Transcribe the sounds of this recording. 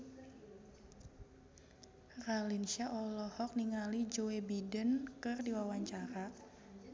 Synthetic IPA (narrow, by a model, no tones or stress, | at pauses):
ralinʃaʔɔlɔhɔk̚niŋalid͡ʒoebidənkɨrdiwawaɲt͡ʃaɾa